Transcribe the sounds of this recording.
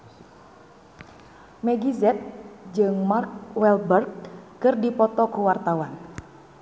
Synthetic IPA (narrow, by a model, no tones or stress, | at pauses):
mɛɡizɛt̪̚d͡ʒɨŋmark̚wɛlbərɡ̚kɨrdipɔt̪ɔkuwart̪awan